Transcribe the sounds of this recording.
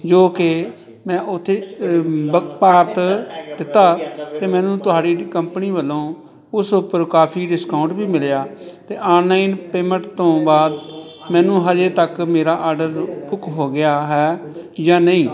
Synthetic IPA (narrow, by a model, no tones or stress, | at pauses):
d͡ʒoːkɪ | mɛ̃ːʔʊt̪ʰːeːbəkpaːɾt̪d̪ɪt̪ːaːt̪eːmɛ̃ːnũːt̪ʊɦaːɖiːkəmpəniːʋəlːõː | ʊsʊpəɾkaːpʰiːɖɪskaːʊ̃ɳʈbiːmɪljaːt̪eːʔaːnlaːinpeːmə̃ʈt̪õːbaːd̪ | mɛ̃ːnũːɦəd͡ʒeːt̪əkmeːɾaːʔaːɾɖəɾbʊkɦoːɡɪjaːɦɛːjãːnəĩː